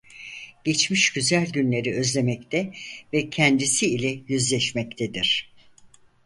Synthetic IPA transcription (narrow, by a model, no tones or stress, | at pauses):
ɟ̥et͡ʃmiʃɟyzælʲɟynlʲe̞ɾiø̞zlʲe̞mɛct̪ʰɛvɛcʰɛnd̪isiːlʲɛjyzlʲɛʃmɛct̪ʰɛd̪iɾ̥